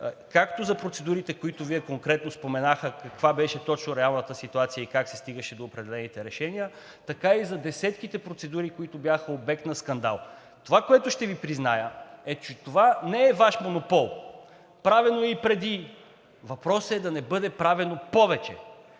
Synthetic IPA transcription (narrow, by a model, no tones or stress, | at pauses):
kakt̪ozɐpɾot̪sɛd̪uɾit̪ɛkoit̪ʊviɛkoŋkɾɛt̪nospomɛnaxəkɐkvabɛʃɛt̪ɔt͡ʃnʊɾɛalˠnət̪əsit̪uat̪sijəikaksɛ̥st̪iɡəʃɛd̪oːpɾɛd̪ɛlɛnit̪ɛɾɛʃɛnijə | t̪ɐkaizɐd̪ɛsɛt̪k̟it̪ɛpɾot̪sɛd̪uɾikoit̪ʊbjaxəobɛk̚t̪nɐskɐnd̪a̰lˠ | t̪ovakoɛt̪ʊʃt̪ɛvipɾiznajəɛt͡ʃɛt̪ovanɛːɛvaʃmonopɔlˠ | pɾavɛnoipɾɛd̪i | vɐpɾɔsɛd̪ɐnɛbɤd̪ɛpɾavɛnopɔvɛt͡ʃɛ̰